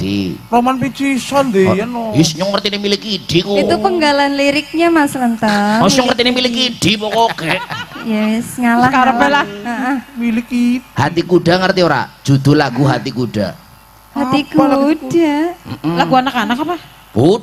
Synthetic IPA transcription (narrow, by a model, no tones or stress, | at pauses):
ḭromanpit͡ʃisand̪ejɛnojɛsɲʊŋːərt̪inimilikid̥ikoit̪upəŋɡalanliɾɪk̚ɲamaslant̪əsɲʊŋːərt̪inimilɪkid̥ipɔkokɛʔjɛsŋalahkaɾəpɛlahaʔmilɪkihat̪ikuɖaŋərt̪ioɾa̰d͡ʒud̪ʊlaɡuɦat̪ikuda̰ | hat̪ikudam̩laɡuanakanakapa | pu